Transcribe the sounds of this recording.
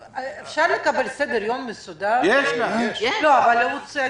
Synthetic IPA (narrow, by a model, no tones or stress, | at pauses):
efʃaʁlekabelsed̪eɾjomːesud̪aɾjeʃaeʃloavalːeut͡sia